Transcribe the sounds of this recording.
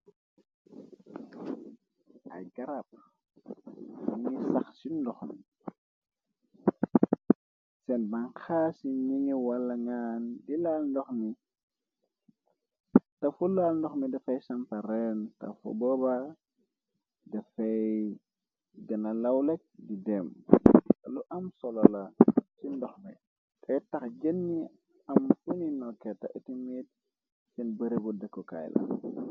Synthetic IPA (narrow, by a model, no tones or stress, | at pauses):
ɐ̰jɡɐɾɐp̚ | iŋisɐxsindɔxni | sɛnbɐnxasiɲiŋiwɐlːɐŋaːndilaːlndɔxmi | tɐfulaːlndɔxmidɐfɐjsɐmpɐɾɛntɐ̰fṵbɔba | dɐfɐj | ɡɐnɐlɐwlɛk̚didɛm | ɐluʔɐmsɔlɔlɐsindɔxmḭ | tʰɛtɐxɟənːi | ɐmfuninɔkːɛtɐʔetimit̚ | sinbəɾebudɛkːɔka̰jlɐ̰